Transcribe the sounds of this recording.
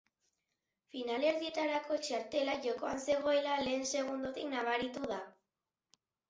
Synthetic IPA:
finale̞ɾðie̞t̪aɾako̞t͡ʃaɾt̪e̞laʝo̞ko̞anse̞ɣ̞o̞e̞lale̞ːnse̞ɣ̞und̪ot̪iknaβ̞aɾit̪uða

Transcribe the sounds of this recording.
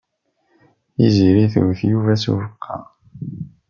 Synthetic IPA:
iziɾiθwθjuvæsṵvəqʰːɑ̰

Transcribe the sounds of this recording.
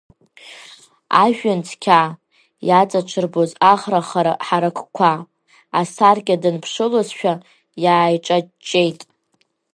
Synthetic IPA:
a̰ʒᶣant͡sʰkʲʰa | jat͡sʼaʈ͡ʂʷʰɨrbozaχraχaɾaħaɾakʰʼkʷʰa | asarkʲʼadɨnpʰʂɨlozʃᶣa | jaːjʈ͡ʂʼat͡ʃʼːe̞jtʼ

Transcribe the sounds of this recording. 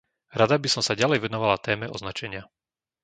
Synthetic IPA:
ɾad̪abisɔmsaɟalɛjʋɛnɔʋalat̪ɛːmɛɔ̰znat͡ʃɛɲɪa

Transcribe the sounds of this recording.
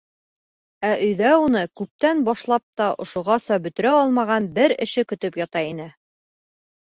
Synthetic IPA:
æʔɵ̆jðæunɤkʉp̚t̪ænbɑʃlˠɑp̚t̪ɑʔŏʃŏʁɑsɑbɵ̆t̪ɵ̆ɾæɒlˠmɑʁɑnbɘɾɘ̰̆ʃɘkɵ̆t̪ɵpjɒt̪ɑin̪ɘ

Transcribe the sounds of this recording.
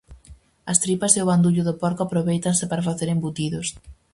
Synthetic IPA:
ɐst̪ɾipaseoβand̪uʎʊðopɔɾkoapɾoβejt̪ansepaɾafaθeɾembut̪iðos

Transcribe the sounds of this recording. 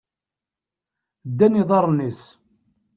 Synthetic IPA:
d̪ːænːiðˤɑɾˤnis

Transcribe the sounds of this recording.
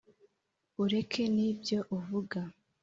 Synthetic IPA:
uɾe̞kʰe̞nibjo̞ʔuvuɡa

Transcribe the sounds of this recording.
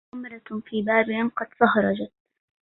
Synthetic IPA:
ʊmɾˤɑfiːbaːbɪhɪmqɑd̪sˤɑhɾˤɑd͡ʒat̪̚

